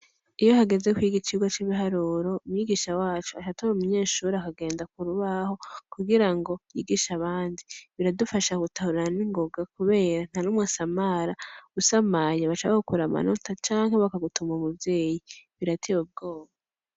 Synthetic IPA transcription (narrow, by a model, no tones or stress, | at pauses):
ijo̞ɦaɡe̞ze̞kwiːɡit͡ʃiɡwat͡ʃiβiɦaɾuːɾo̞umujiɡiʃawaːt͡ʃuat͡ʃatoɾumuɲe̞ːʃuːɾeakaɡe̞ːndak̚uɾuβaho̞kuɡiɾaŋɡo̞jiːɡiʃaβaːndiβiɾadufaʃakutahuɾaniŋɡo̞ɡakuβe̞ːɾan̥hanumŋasamaɾausamaɲeβat͡ʃaβakukuɾama̰notat͡ʃaːŋɦeβakaɡutumaumubje̞ːjiβiɾatʰeβub̚ɡo̞ːβa